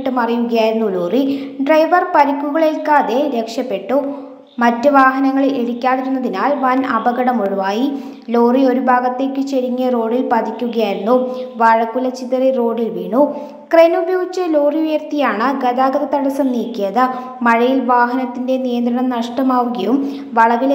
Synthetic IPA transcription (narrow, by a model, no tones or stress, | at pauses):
ʈːɨmɐrijuɣɐjaːjiɾunːulo̞ːriɖrɐjʋɐrpɐɾɐkːuɣɐɭelkaːðe̞ɾe̞kʂɐpːe̞ʈːu | mɐtːɨʋaːɦɐnɐŋːɐɭeɽikʲːaːðiɾunːɐðinaːlʋɐnɐbɐɣɐɽɐmuɻuʋaːji | lo̞ːrio̞ɾubʱaːɡɐt̪ːe̞ːkːɨt͡ɕeɾiŋːɐro̞ːɖilpɐd̪ʱikʲːuɣɐjaːjiɾunːuʋɐɻɐkːulɐt͡ɕit̪ːɐriro̞ːɖilʋiːɳu | krenubɐjoːɡit͡ɕːɐloːriujɐrt̪ijaːɳɨɡɐðaːɡɐðɐt̪ɐɽɐsɐmniːkʲːijɐðɨ | mɐɻɐjilʋaːɦɐnɐt̪ːinde̞nijɐnd̪ɾɐɳɐmnɐʂʈɐmaːʋuɣɐjum | ʋɐɭɐɣil